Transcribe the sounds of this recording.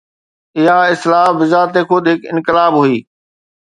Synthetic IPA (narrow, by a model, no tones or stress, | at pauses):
ɪɦaɪslaːbɪzaːt̪exʰʊd̪ʱɦɪkɪ̃nkɪlaːbɦuiː